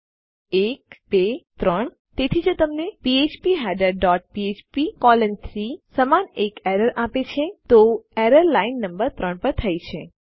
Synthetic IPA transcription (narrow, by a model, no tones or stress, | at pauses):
ekbet̪ɾəɳ | t̪et̪ʰid͡ʒot̪əmnepiet͡ʃpiɦɛɖəɾɖɔʈ̚piet͡ʃpikɔlənt̪ʰɾisəmanekeɾəɾʔapet͡ʃʰet̪oeɾəɾlainːəmbəɾt̪ɾəɳpəɾt̪ʰəjt͡ʃʰe